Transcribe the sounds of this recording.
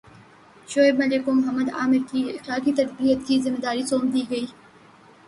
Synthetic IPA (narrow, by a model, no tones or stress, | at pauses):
ʃoːɪbmɐlɪkomʊɦɐmːəd̪a̰ːmɪɾkiɪxlaːkit̪ɐdbiːɦət̪kiːzɪmːed̪aːɾisoːmd̪iːɡɐiː